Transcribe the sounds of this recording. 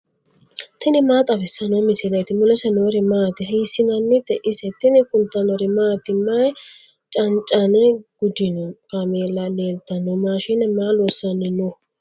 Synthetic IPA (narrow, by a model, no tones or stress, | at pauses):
t̪ɪnɪmaːt̪ʼɐbɛsːɐnɐmɪsɪɾɐjt̪ɪmʊlɛsɛnoɾɪmaːt̪ɪɦiːsːɪnɐnːɪd̪ɛʔɪsɛt̪ɪnɪkʊnt̪ːɐnɔɾɪmaːt̪ːɪmɐj | t͡ʃʼɐnt͡ʃʼɐnɛɡ̥ʊd̪ɪnɔkɐmeːlːɐleːlt̪ːɐnɔmaːʃɪnɛmaːlɔsːɐnːɪnʊ